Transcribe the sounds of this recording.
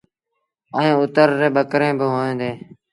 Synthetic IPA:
əẽːʊt̪əɾːeːɓəkɾẽːbɪɦoːẽːd̪eː

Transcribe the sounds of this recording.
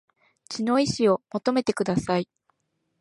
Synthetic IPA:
t͡ɕino̞iɕio̞mo̞t̪o̞me̞t̪e̞kɯ̟d̪asai

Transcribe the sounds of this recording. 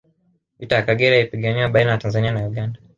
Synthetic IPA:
vitajakaɡɛɾaipiɠaniwaɓainajatanzanianajuɠanda

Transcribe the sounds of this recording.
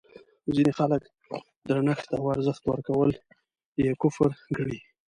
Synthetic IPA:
zinexalək | d̪ɾanaxt̪awaɾzəxt̪wə̰ɾkawəl | jekʊfɾɡəɽi

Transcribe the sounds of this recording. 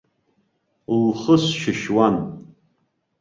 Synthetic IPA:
lχəsʃɪʃwan

